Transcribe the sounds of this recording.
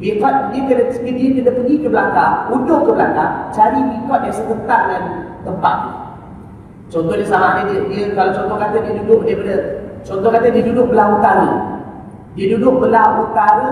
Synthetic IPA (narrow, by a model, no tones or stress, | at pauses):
bikat̪̚diəkədəɡədiək̪ədəpəɡikəbəlakaudʊʔkːəblakat͡ʃaɾibikɔt̪̚jasəkət̪aŋant̪əmpa̰ʔ̪̚nə̰ | t͡ʃɔnt̪ɔnəsamaʔnadədiəkalat͡ʃɔnt̪ɔhkat̪adiədudʊʔdapadət͡ʃɔnt̪ɔkat̪ədiədudʊk̚bəlaut̪aɾə | diədudʊʔ̚bəlaut̪aɾə